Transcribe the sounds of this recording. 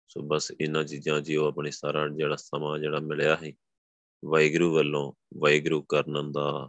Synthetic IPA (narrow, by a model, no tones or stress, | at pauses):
so̰ːbəsɪnãːt͡ʃiːd͡ʒãːd͡ʒiːoːəpɳiːsaːɾaːd͡ʒeːɽaːsəmãːd͡ʒeːɽaːmɪljaːɦiː | ʋaiɡɾuːʋəlːõːʋəiɡɾuːkəɾnə̃nd̪aː